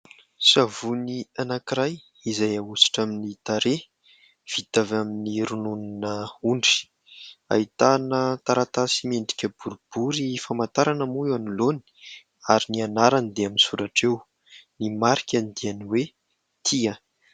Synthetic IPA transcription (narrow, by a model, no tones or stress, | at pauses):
savunianakiɾaj | izajausi̥ʈ͡ʂaminit̪aɾe | v̥it̪avaminiɾununinəuɳɖ͡ʐi̥ | a̰it̪anət̪aɾat̪asimeɳɖ͡ʐi̥kʲəbuɾub̥uɾifamat̪aɾanamuanuloni̥ | aɾinianaɾand̪eaminsuɾaʈ͡ʂew | nimaɾikʲanid̪ianiwe | t̪ʰia